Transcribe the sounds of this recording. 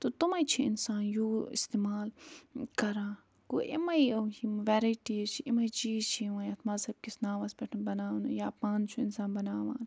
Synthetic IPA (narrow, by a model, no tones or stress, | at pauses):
t̪ot̪umɐjt͡ʃʰiɪ̰nsaːnjoːɪ̰st̪eːmaːlkɐɾaː | kuːʔḭmɐiɐkimʋɛːɾɐjʈit͡ʃʰiʔimɐit͡ʃiːt͡ʃʰiʋãːjɐt̪ʰmaːsɐb̚kisnaːʋaːsbʲeʈʰnbɐnaːnujaːpãːnt͡ʃʰuɪnsaːnbɐnaːʋa̰ːn